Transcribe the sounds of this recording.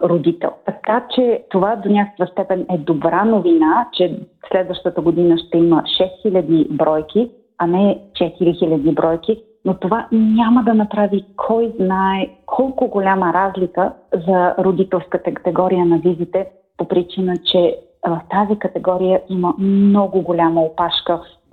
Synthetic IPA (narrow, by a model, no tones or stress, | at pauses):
ɾod̪it̪ɛ̰lˠt̪ɐkat͡ʃɛt̪ovad̪onʲakə̥kvəst̪ɛpɛnɛd̪obɾanovinat͡ʃɛslɛd̪vəʃt̪ət̪əɡod̪inəʃt̪ɛiməʃɛsxilʲəd̪ibɾɔjk̟i | ɐnɛt͡ʃɛt̪iɾixilʲɐd̪ibɾɔjki | not̪ovaɲaməd̪ɐnɐpɾavikʰɔjznaɛkʰɔlˠkʊɡolʲaməɾazlʲikəzɐɾod̪it̪ɛlˠskət̪əkə̥t̪ɛɡɔɾijənɐvizit̪ɛ | popɾit͡ʃinət͡ʃɛ | vɐft̪azikət̪ɛɡɔɾijəiməmnɔɡʊɡolʲaməopaʃkəf